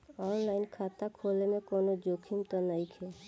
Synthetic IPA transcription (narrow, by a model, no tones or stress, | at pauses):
ɔːnlaːɪnkʰaːt̪akʰoːlemẽkoːnod͡ʒoːkʰimt̪ənaikʰe